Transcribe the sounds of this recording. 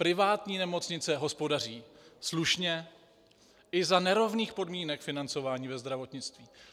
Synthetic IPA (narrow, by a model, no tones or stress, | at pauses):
pɾɪvaːt̪ɲiːnɛmo̞t͡sɲɪt͡sɛɦo̞spo̞dar̝iːsluʃɲɛ | ʔɪzanɛɾo̞vniːxpo̞dmiːnɛkfɪnant͡so̞vaːɲiːvɛzd̪ɾavo̞t̪ɲɪt͡st̪viː